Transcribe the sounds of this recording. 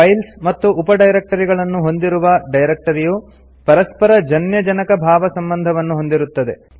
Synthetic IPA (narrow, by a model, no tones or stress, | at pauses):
ɐjlsmɐt̪ːuʔːpɐɖɐjɾek̚ʈɐɾiɡɐɭɐnːuɦo̞nd̪iɾuʋɐɖɐjɾek̚ʈɐɾiju | pɐɾɐspɐɾɐd͡ʒɐnjɐd͡ʒɐnɐkɐbʱaːʋɐsɐmbɐnd̪ʱɐʋɐnːuɦo̞nd̪iɾut̪ːɐd̪e̞